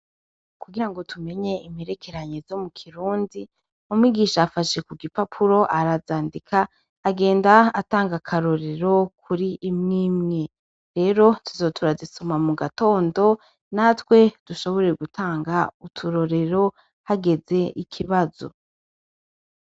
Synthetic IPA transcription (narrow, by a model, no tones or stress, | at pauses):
kuɡiɾaŋɡo̞tume̞ɲe̞imiɾe̞kʰe̞ɾaɲezo̞mukʰiɾuːndi | omwiɡiːʃaːfaʃe̞kuɡipapʰuɾo̞ʔaɾazaːndikʰaː | ɡe̞ːndaataːŋɡakʰaɾo̞ɾe̞ɾo̞kʰuɾiʔːmŋimŋe̞ | ɾe̞ːɾo̞tuzo̞ːtʰuɾazisomamuɡato̞ːndo̞ | natwe̞d̥uʃo̞βo̞ɾe̞ɡutaːŋɡautʰuɾo̞ɾe̞ɾo̞ | haɡe̞ze̞ʔikʰiβazo̞̰